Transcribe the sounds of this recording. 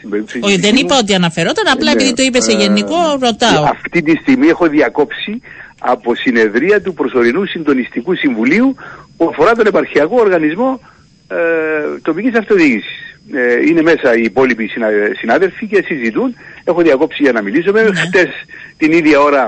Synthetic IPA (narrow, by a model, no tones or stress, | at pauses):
imbeɾipsoðenipɐo̞t̪̬iɐnɐfe̞ɾo̞t̪ɐnɐplɐe̞piðit̪oipeseʝe̞niko̞ɾo̞t̪ɐoɐft̪it̪ist̪iɣmiexo̞ðiɐko̞psi | ɐ̰po̞sine̞ðɾiɐt̪upɾo̞so̞ɾinusind̪o̞nist̪ikusiɱvuliupuɐfo̞ɾɐt̪o̞ne̞pɐɾçiɐko̞oɾɣɐnizmo̞ | t̪o̞picisɐft̪o̞ðiʝisi̥sine̞me̞sɐiːpo̞lipisisinɐðe̞lfice̞sizit̪une̞xoðiɐko̞psiʝɐnɐmilisomext̪e̞st̪iniðʝɐo̞ɾɐ